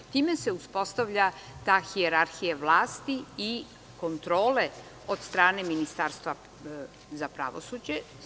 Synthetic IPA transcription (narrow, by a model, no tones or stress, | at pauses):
t̪iːmese̞uspo̞st̪aʋʎat̪aːxieɾaɾxijaʋlˠaːst̪ii | ko̞nt̪ɾo̞ːle | o̞d̪st̪ɾaːneminist̪aːɾst̪ʋa | zapɾa̰ʋo̞̰suːd͡ʑe